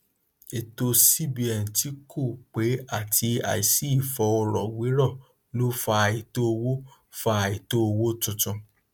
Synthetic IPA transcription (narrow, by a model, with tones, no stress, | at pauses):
e˨to˧si˦bi˨ɛ˨n̩˨ti˨˦kʰo˦˨k͡pe˨˦a˦˨tʰi˧a̰˨i˨si˨˦i˦˨fɔ˧ɔ˧ɾɔ˨wi˨˦ɾɔ˦˨ | lo˦fa˧a˨i˨to˦o˧wo˦ | fa˧˨i˨to˦o˧wo˦tũ˧tɔ̃˧